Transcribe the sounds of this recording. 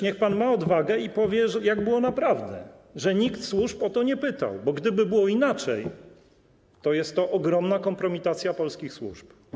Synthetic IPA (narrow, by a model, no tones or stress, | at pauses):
ɲɛxpanmaɔd̪vaɡɛipɔvʲjɛʐɛjaɡbɘwɔnapɾavd̪ɛ̰ʐɛɲikt̪swuʂpɔt̪ɔɲɛpɘt̪a̰wbɔɡd̪ɘbɘbɘwɔinat͡ʂɛ̰j | t̪ɔjɛst̪ːɔʔɔɡɾɔmnakɔmpɾɔmʲit̪at̪sʲjapɔlskʲixswṵʐp